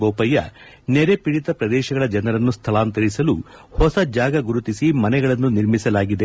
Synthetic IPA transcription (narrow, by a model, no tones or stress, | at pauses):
boːpɐjːɐ̰ | nɛɾe̞piɽit̪ɐpɾɐd̪ɛːʃɐɡɐɭɐd͡ʒɐnɐɾɐnːust̪ʰɐlaːnt̪ɐɾisɐluhɔsɐd͡ʒaːɡɐɡuɾut̪isimɐnɛɡɐɭɐnːuniɾmisɐlaːɡid̪e̞